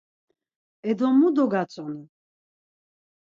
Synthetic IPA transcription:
ɛd̪ɔmud̪ɔɡat͡sʼɔni

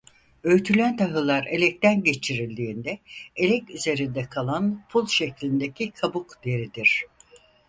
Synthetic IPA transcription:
øjt̪ʰylʲænt̪ʰaɦɯlˠaɾe̞lʲɛc̚t̪ænɟe̞t͡ʃʰiɾilʲd̪iːnd̪ɛelʲɛcyze̞ɾind̪ɛkʰalˠanpʰulˠʃe̞clʲind̪ecʰikʰabukd̪̥e̞ɾid̪iɾ̝̥

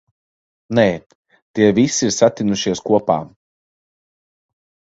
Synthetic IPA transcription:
neː | t̪iɛvisiɾsat̪ʲinuʃiɛskuɔpa̰ː

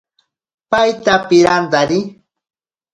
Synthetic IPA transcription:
pajt̪apɪɾand̪aɾɪ

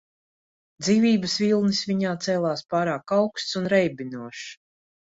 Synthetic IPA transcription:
d̪ziːvʲiːbəsvilˠnisviɲaːt̪sɛːlˠaːspaːɾaːkawkst̪sunɾɛjbinuɔʃ

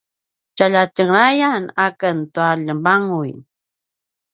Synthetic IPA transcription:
t͡ʃaʎat͡ʃəŋɾajanakant̪uaʎəmbaŋʊj

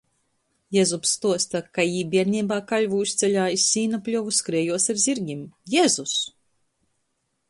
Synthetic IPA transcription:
jɛzupst̪uɔst̪akajiːbʲiɛɾnʲiːbaːkalʲvuust̪sʲɛlʲaːisʲːiːnaplʲuvuskɾɛːjuɔsaɾzʲiɾɡʲimjezus

